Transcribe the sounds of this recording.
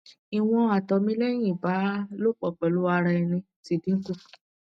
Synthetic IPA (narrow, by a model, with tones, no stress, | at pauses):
i˨w̃ɔ̃˧a˨tɔ˨mĩ˦lɛ˦j̃ĩ˦˨ba˨˦lo˦k͡pɔ˨k͡pɛ˨lu˦a˧ɾa˧ɛ˧nĩ˧ | ti˨˦˨dĩ˦ŋ̩˦ku˦˨